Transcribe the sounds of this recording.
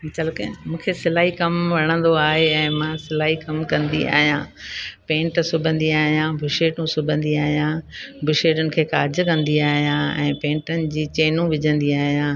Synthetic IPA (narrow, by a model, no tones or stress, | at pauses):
t͡ɕɐlkemũːkʰesɪlaːɦikɐmʋɐɽ̃ə̃nd̪oaːɦeɛ̃ːmãsɪlaːɦikɐmkɐ̃nd̪ia̰ːɦijãːpẽːɳʈsʊbʱə̃nd̪iaːɦijãbʱʊʃeːʈũsʊbʱə̃nd̪iaːɦijãːbʱʊʃeːʈənɪ̆kʰeːkaːd͡ʑkɐ̃nd̪iaːɦijãɛ̰̃ːpẽːɳʈənɪ̆d͡ʑiːt͡ɕeːnũʋɪd͡ʑʱə̃nd̪iaːɦijãː